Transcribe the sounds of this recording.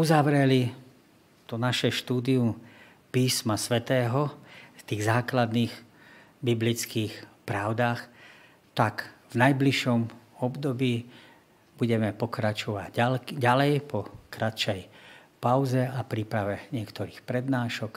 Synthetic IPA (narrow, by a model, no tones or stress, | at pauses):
uzaʋɾɛli | t̪ɔnaʃɛʃt̪uːd̪iu | piːsmasʋɛt̪ɛːɦɔft̪iːɣzaːklad̪niːx | biblit͡skiːxpɾaʊd̪aːx | t̪akvnajbliʃɔmɔbd̪ɔbiː | buɟɛmɛpɔkɾat͡ʃɔʋa̰ɟɟalɛjpʰɔkɾat̪t͡ʃɛjpaʊzɛapɾipɾaʋɛɲɪɛkt̪ɔɾiːxpɾɛd̪naːʃɔk